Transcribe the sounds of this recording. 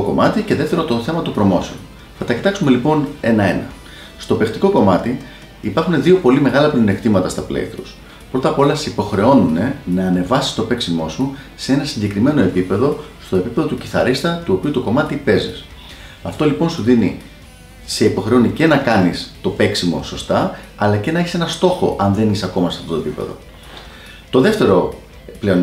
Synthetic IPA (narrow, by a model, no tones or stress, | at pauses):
oko̞mɐt̪ice̞ðeft̪eɾot̪o̞θe̞mɐt̪opɾo̞mo̞seon | θɐt̪ɐci̥t̪ɐksume̞lipo̞ne̞nɐe̞nɐ̰ | st̪o̞pe̞xt̪iko̞ko̞mɐt̪i | ipɐɾxune̞ðio̞po̞lime̞ɣɐlɐpline̞kt̪imɐt̪ɐst̪ɐplḛifɾus | pɾo̞t̪ɐpo̞lɐssipo̞xɾe̞o̞nune̞nɐːne̞vɐsi̥st̪o̞pe̞ksimo̞su | see̞nɐsiɲɟe̞kɾime̞no̞e̞pipe̞ðo̞st̪o̞e̞pipe̞ðo̞t̪uciθɐ̰ɾist̪ɐt̪uopiut̪o̞ko̞mɐt̪ipe̞zis | ɐft̪o̞lipo̞nsuðini | se̞ipo̞xɾe̞onice̞nɐkɐnist̪o̞pe̞ksimo̞̰so̞st̪ɐɐlɐce̞nɐeçise̞nɐst̪o̞xo̞̰ʔɐnðe̞nisɐko̞mɐsɐft̪o̞t̪oepipe̞̰ðo̞̰ | t̪o̞ðe̞ft̪e̞ɾo̞ | ple̞on